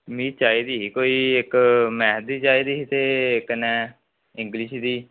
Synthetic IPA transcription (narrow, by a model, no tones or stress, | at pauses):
mĩːt͡ʃaːiːd̪iːɦikoːiːɪkmɛːɦt̪d̪iːt͡ʃaːiːd̪iːɦit̪eːkənɛː | ɪ̃ŋɡlɪʃd̪iː